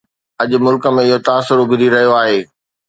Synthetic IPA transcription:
ɐʄʊ̆mʊlkə̆mẽɪɦot̪aːsʊɾbʱɪɾiɾɐɦijoaːɦeː

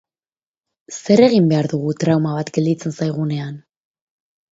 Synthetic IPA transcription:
se̞ɾe̞ɣ̞imbe̞aɾðuɣ̞ut̪ɾawmaβat̪ɡe̞ld̪it͡se̞nsajɣ̞une̞an

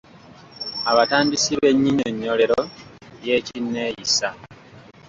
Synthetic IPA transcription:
aβataːndisiβe̞ɲːiɲoɲːo̞le̞ɾoje̞ːcinːe̞ːjisa

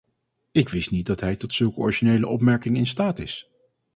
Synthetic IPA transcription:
ɪkʋɪstnit̚dɑtɦɛjtɔtsɵlˠkəɔ̰ɹiʒinejləʔɔpmɛɹkɪŋɪnstaːtɪs

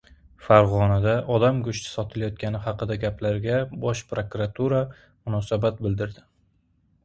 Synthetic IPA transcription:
faɾʁɒnad̪aʔɒd̪amɡʊʃt̪ʰɪ̥sɒt̪ʰɪlajɒt̪̚kʲʰanɪɦɑqɨd̪aɡʲaplaɾɡʲabɒʃpɾokuɾat̪ʰuɾa | mʊnɒsabat̪̚bɪld̪ɪɾd̪ɪ

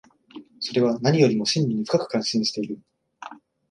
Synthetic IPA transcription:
so̞ɾe̞β̞anaɲ̟ʲijo̞ɾʲimo̞ɕɨ̃ɲːʲiɲ̟iɸɯ̥kakɯ̟̥kãɰ̃ɕẽɰ̃ɕi̥t̪e̞iɾɯ̟

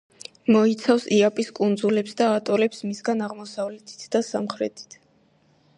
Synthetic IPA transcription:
mɔit̪sʰafsiapʼiskʼund̪zulɛpsd̪aːt̪ʼɔlɛpsmisɡanaʁmɔsavlɛt̪ʰi̥t̪ʰd̪asa̰mχɾɛ̰t̪ʰi̥t̪ʰ

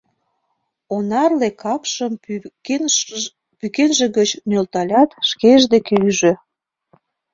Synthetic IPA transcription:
onɑrlekʰɑpʃəm | pykenʒĕɣət͡ɕnølt̪ɑlʲɑt̪ʃkeʒd̪ekeyʒø

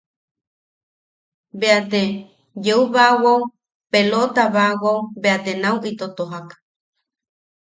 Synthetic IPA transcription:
beat̪e | jeuβawow | pelot̪aβaʔwowbeat̪enawʔit̪ot̪oɦakḁ

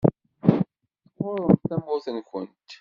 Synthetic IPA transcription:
θqʊɾˤəmθæmʊθənkʊnt̪

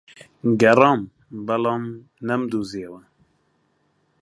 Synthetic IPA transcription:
ɡɛɾɑːm | bɛlɑːm | nɛmd̪uzeːwɛ

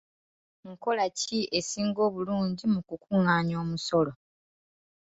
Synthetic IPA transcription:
ŋko̞laciesiːŋɡo̞ːβuluːɲɟimukukuːŋaːɲo̞ːmuso̞lo

